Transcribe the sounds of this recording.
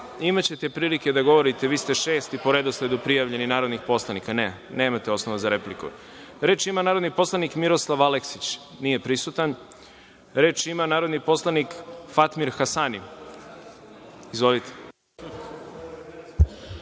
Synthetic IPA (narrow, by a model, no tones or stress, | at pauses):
imat͡ɕe̞t̪e̞pɾiːlike̞d̪aɡo̞ʋo̞ɾit̪e̞ʋiːst̪e̞ʃeːst̪ipoɾe̞d̪osle̞d̪upɾijaʋʎe̞ninaːɾod̪nixpo̞slˠanikane | ne̞ːmat̪eo̞snoʋazaɾe̞plikṵ | ɾe̞ːt͡ʃimanaːɾod̪nipo̞slˠanikmiɾo̞slˠaʋaleksit͡ɕ | nije̞pɾisut̪an | ɾe̞ːt͡ʃimanaːɾod̪nipo̞slˠanikfat̪miɾxasani | izʋo̞lit̪e̥